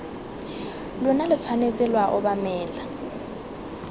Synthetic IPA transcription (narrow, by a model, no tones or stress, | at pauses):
lʊnalɪt͡sʰwanet͡sʼɪlwaʔʊbamɛːla